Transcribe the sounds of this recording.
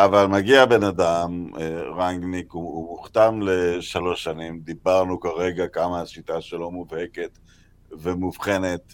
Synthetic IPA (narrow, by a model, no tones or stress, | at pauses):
ʔavalmaɡiabe̞nad̪amʁaŋɡnikuumuχt̪amle̞ʃalo̞ʃanimd̪ibaʁnukaʁe̞ɡakamaaʃit̪aʃelomuvheke̞t̪ | vemuvχe̞net̪